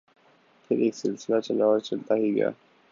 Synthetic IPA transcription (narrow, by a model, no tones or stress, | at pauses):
pʰɪɾeːksɪlsɪlat͡ʃəlaːt͡ʃəlt̪aɦiɡə̰ja̰ː